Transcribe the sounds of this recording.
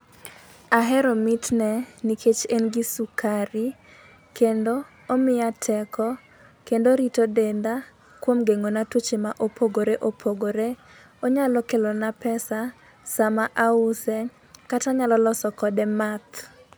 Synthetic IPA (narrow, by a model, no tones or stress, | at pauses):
aɦɛɾɔmitnɛnikʰet͡ʃenɡisukʰaɾi | kendoː | mɪjatʰɛkʰɔ | kendoɾitodend̪a | kwomɡeŋonatut͡ʃemaʔopʰoɡoɾeʔopʰoɡoɾe | ɔɲalɔkelɔnapɛsa | samaʔausɛ | kataɲalɔlɔsɔkɔdɛmat̪